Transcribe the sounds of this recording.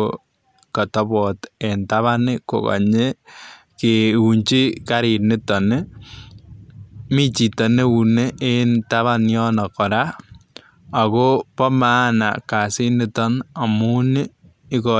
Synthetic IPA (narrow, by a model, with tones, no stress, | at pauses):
kɔ˨tɔ˦bɔ˨te˨ntaβa˦nɪ˦ko̰˨ka̰˨ɲe˦ | keu˨ɲt͡ʃi˦ka˦ɾi˨nɪ˦tɔ˨nɪ˦ | mi˦t͡ʃi˨tɔ˨ne˦u˨ne˦ʔe˦ntaβa˦njɔ˦nɔ˨kɔ˨ɾa˦ | a˨ko˦pɔ˦ma˦na̰˨ka˨si˦nɪ˦tɔ˦na˨mu˦nɪ˦ | ɪ˦kɔ